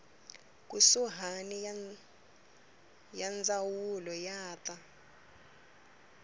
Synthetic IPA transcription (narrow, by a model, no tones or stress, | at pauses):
k̬usuɦani | jand͡zawulɔjaːta